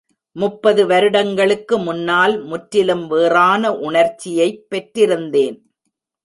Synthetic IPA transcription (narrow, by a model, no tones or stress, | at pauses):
mʊpːɐðɯʋɐɾɯɽɐŋɡɐɭɯkːɯmʊnːaːlmʊʈɾɪlɯmʋeːraːnɐʔʊɳɐɾt͡ʃːɪjɐɪpːɛʈrɪɾɯnd̪eːn